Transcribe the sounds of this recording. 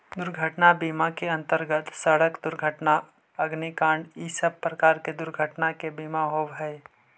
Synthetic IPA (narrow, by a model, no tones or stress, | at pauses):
d̪ʊɾɡʱəʈnabiːmakeɐ̃nt̪əɾɡət̪səɽəkd̪ʊɾɡʱəʈna | ɐɡnikãːɳɖiːsəb̚pɾɐkaːɾked̪ʊɾɡʱəʈnakebiːmaɦowɦɛː